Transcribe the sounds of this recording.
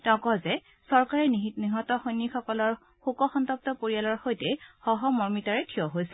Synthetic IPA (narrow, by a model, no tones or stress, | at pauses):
tɛʊ̃kɔzɛ | sɔɹkaɹɛniɦitniɦɔtɔxojnːixɔkɔlɔɹ | xukɔxɔntɔp̚tɔpoɹialɔɹxojtɛxɔɦɔmɔɹmitaɹɛtʰiɔɦojsɛ